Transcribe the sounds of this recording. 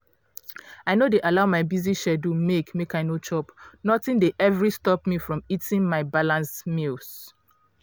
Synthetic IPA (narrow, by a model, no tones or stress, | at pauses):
aɪnodeʔalaʊmaɪbiziʃɛdumekmekaɪnot͡ʃɔpnɔtĩndeʔɛvɹistɔpmifɹɔ̃mitĩnmaɪbalãnsmils